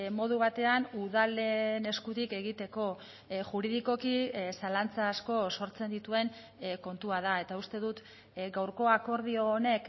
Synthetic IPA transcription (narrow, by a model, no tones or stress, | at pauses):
mo̞ð̞uβ̞at̪e̞anuðale̞ne̞skut̪ike̞ɣit̪e̞ko̞ | ʝuɾiðiko̞kisalant͡saːsko̞so̞ɾt͡se̞nd̪it̪ue̞ŋ | ko̞nt̪uaðae̞t̪aust̪eðut̪ | ɡawɾko̞ako̞ɾð̞io̞ːne̞k